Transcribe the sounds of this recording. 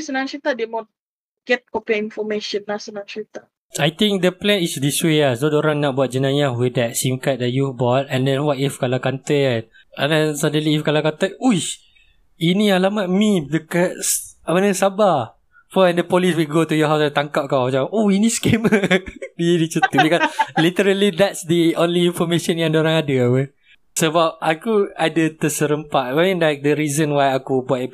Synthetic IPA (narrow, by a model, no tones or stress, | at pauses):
sənãnt͡ʃɹit̪ademɔ̃n | ɡ̥ɛt̚kɔpɛĩnfɔmeʃə̃nːasənãnt͡ʃɹit̪a | ajt̪ĩŋk̚dəplɛ̃nisdisweasodoɾãŋnɔʔ̚buat̚d͡ʒənãjawidɛt̚simkat̚dɛʔ̚jubɔt̚ɛ̃ndɛ̃nwatifkalakant̪əɛ̃n | adɛ̃nsadeliifkalakant̪əuj | inĩalamat̚mĩdəkəts | amanəsaba | fɔɛndəpɔliswiɡot̪ujɔɦawsat̪aŋkap̚kawd͡ʒaaohinĩskemədinit͡ʃut̪ubikalit̪əɾəlid̪ɛtsd̪iõnliːɱfɔmẽʃə̃njãdoɾaŋadəawə | səbap̚ʔakuadət̪əsəɾəmpat̪̚amĩnlajk̚dəɾizə̃nwajakubuat̚